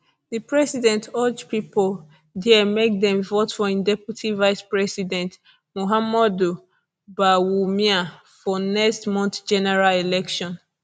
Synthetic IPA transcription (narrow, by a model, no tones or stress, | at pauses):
ðɨpɹɛsidɛ̃ntʰɔd͡ʒpipɔl | dɛəmek̚ðɛ̃mvotfɔĩndɛpɹitʰivaɪspɹɛsidɛ̃nt | moɦamɔdu | bawumia | fɔnɛkstmɔ̃nθd͡ʒɛnɛɹalilɛkʃɔ̃n